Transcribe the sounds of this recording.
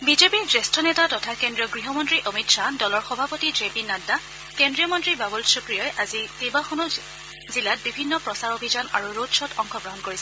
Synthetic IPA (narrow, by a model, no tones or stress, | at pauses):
bizepiɹdɹɛstʰɔnetatɔtʰakendɹijɔɡɹiɦɔmɔntɹiʔomitsadɔlɔɹxɔbʱapotidepinada | kendɹijɔmɔntɹibabulsukɹijɔjʔazikejbaxɔnu | zilat̚bibʱinːɔpɹɔsaɹobʱizanaɹuɹodsɔtʰɔŋxɔɡɹɔɦɔnkoɹisɛ